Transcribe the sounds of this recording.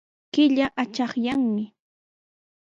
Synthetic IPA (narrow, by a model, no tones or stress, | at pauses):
kɪʎaʔat͡ʃɑχjaŋmɪ